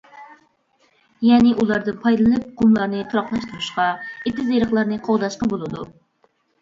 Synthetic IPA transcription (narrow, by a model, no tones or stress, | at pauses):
jɛnɪʔulˠɑɾd̪ɨnpʰɑjd̪ɨlˠɨnɨp̚qumlˠɑɾnɨt̪ʰuɾɑqlˠɑʃt̪ʰuɾuʃqɑit̪ʰːɪzeɾəχlˠɑɾnɨqʰowd̪ɑʃqɑbolˠɨd̪u